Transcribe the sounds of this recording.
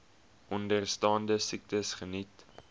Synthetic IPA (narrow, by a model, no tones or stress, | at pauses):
ʔɔndərstɑːndəsik̚təsχənit